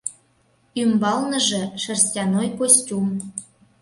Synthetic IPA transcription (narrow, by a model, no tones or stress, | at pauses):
ymbɑlnə̆ʒĕʃə̆rstʲɑnojkosʲtʲum